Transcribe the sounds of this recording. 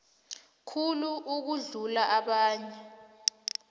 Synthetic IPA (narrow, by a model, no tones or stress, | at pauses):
kʰuluʔuk̬uɮulaʔaɓaːɲɛ